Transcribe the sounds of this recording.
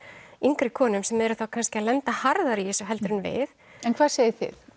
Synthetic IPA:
iŋkɾɪkʰɔːnʏmsɛmɛɾʏθawkʰanscɪaðlɛnt̪ahaɾðaɾiɪsʏɦɛlt̪ɾʏnvɪ̰θ | ɛnkʰvaːðseːjɪθɪ̰θ

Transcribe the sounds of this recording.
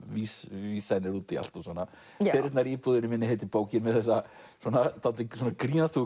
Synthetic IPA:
viːsviːsanːɪɾuːt̪ɪa̰l̥t̪asɔːnːa | ɛɾɪt̪naɾiːpuðɪnɪmɪnːɪheːjt̪ɪpoːwcɪnmɛðθɛsːa | sɔnat̪ʰalt̪ɪswɔnakɾiːnast̪u

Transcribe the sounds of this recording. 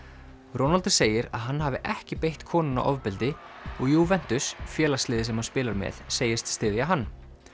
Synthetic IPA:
ɾɔnalt̪ʏɾ̥seːjɪɾa̰ðɦanːɦaːvɪʔɛhcɪpejht̪kʰɔːnʏna̰ʔɔvpɪlt̪ɪ | ɔɣjuːvɛn̥t̪ʏsfjɛːlaslɪːðɪs̬ɛmhanspɪːlaɾmɛ̰ðseːjɪst̪st̪ɪːðjaɦanː

